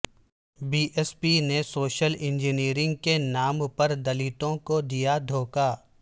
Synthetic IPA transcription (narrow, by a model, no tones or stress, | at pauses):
biːʔɛspinesoːʃəlɪ̃nd͡ʒɪniːɾɪ̃ŋɡ̚kenaːmpɐɾd̪ɐliːʈ̪õkod̪ijad̪ʱoːkaː